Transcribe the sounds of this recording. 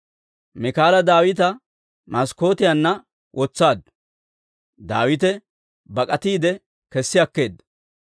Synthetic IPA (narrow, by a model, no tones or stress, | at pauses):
mɪkaːlɐd̪aːwɪt̪̬ɐ | mɐsko̞ːt̪ɪjanːɐ | wʔɔt͡sːaːd̪ | d̪aːwɪt̪ɛ | bɐkʼɐt̪iːd̪ɛ | kɛsːɪɐkːe̞ːd̪